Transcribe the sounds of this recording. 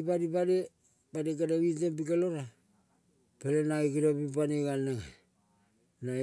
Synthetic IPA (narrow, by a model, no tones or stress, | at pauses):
padipade | badekaɾeβintempikaloɾa | pelenaekiɾopipaneɡanaŋa | na